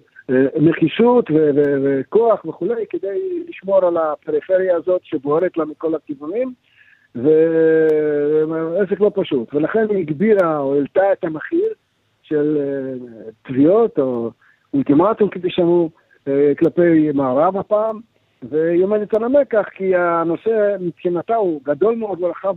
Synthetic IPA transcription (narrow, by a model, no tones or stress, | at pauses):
meχiʃut̪veveveko̞aχveχule̞jked̪e̞jliʃmo̞ʁalapeʁifeʁjaːzo̞t̪ʃeboheʁet̪lamiko̞lakivunim | ve | es̬eklo̞paʃut̪velaχe̞niiɡbiʁaoilt̪aet̪ameχiʁ | ʃe̞l | t̪vio̞t̪o | ult̪imat̪umkediʃamu | klape̞jmaːɾavapaːm | veiomed̪et̪anamekaχkiano̞semipχinat̪auɡad̪o̞lmeod̪melaχav